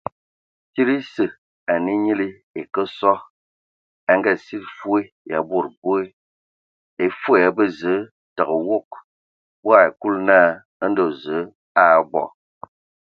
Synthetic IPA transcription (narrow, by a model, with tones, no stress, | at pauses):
ti˦ɾi˦sɨ˨ | a˨ni˦ɲi˦li˦ | e˨kə˦sɔ˦ | a˦ŋɡɛ˦˨si˦t̚fu˦e˦ | ja̰˨bo˦˨ɾbo˦e˦ | e˨fu˦˨ja˨bə˦zə˨˦ | tə˨ɣə˨wo˦˨k | bo˦a˨e˨ku˦lnaː˦˨ | ə˦n̩˦do˦˨zə˨˦ | a˦˨bɔ̰˨